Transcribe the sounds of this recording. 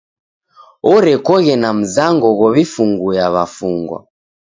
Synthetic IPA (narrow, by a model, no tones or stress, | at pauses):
ɔɾɛkɔɣɛnam̩zaŋɡɔɣɔβifuŋɡujaβafuŋɡwa̰